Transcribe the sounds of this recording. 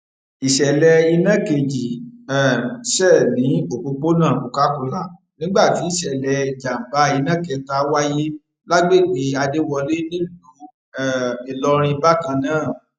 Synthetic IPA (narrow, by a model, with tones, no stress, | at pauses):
i˨ʃɛ˨lɛ˧i˧nã˦˨ke˧d͡ʒi˨ɛ˨ʃɛ˦˨nĩ˨˦o˦˨k͡po˧k͡po˦nã˦˨ku˨ka˦ku˧la˨ | nĩ˦ɡ͡ba˦˨ti˨˦i˦˨ʃɛ˨lɛ˧˨d͡ʒa˨m̩˨ba˨˦i˧nã˦˨kɛ˧ta˦wa˦je˦ | la˦ɡ͡be˦˨ɡ͡be˨˦a˧de˦wɔ˧le˦nĩ˦˨lo˨˦ | ɛ˦˨i˨lɔ˧ɾ̃ĩ˧ba˦kã˧nãː˦˨